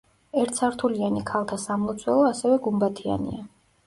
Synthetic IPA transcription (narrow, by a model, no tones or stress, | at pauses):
ɛɾt̪saɾt̪ʰulianikʰalˠt̪ʰasamlˠɔt̪sʰwɛlˠɔasɛvɛɡumbat̪ʰia̰nḭa